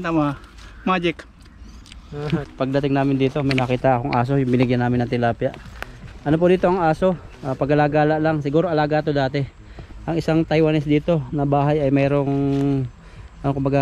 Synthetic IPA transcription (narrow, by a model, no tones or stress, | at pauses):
ama | mad͡ʒɪk | pɐɡ̚d̪ɐt̪ɪŋnaːmɪnd̪iːt̪o̞mɐjnɐkiːt̪aʔɐkoŋʔaːs̬o̞jʊŋbɪnɪɡjanaːmɪnɐt̪ɪlaːpjaʔʔɐnop̬od̪iːt̪oʔɐŋaːso̞ | ʔapɐɡɐlaːɡalaʔlaŋsɪɡuːɾoʔɐlaːɡat̪od̪aːt̪ɛ | ʔɐŋɪsaŋt̪ɐjwanɛsd̪iːt̪o̞nɐbaːɦajɐjmɛːɾo̞ŋ | ɐnokʊmbɐɡa